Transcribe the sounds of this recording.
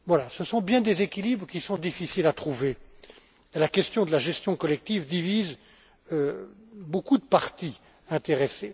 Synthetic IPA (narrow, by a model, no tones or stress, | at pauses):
vwalasəsɔ̃bjɛ̃d̪ezekʲilibʁkʲisɔ̃d̪ifisilat̪χuve | elakʲɛst̪jɔ̃d̪əlaʒɛst̪jɔ̃kɔlɛk̚t̪ivd̪iviz | øbokud̪əpaʁt̪i | ɛ̃t̪eʁese